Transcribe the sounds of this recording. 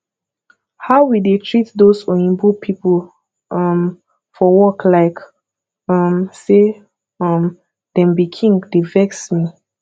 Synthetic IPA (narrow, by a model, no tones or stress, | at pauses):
haʊwidetʰɹitdosɔ̃ĩnbupʰipə | ʌm | fɔwɔklaɪk | ʌmse | ʌm | d̥ɛ̃mbikʰĩŋɡdevɛksmi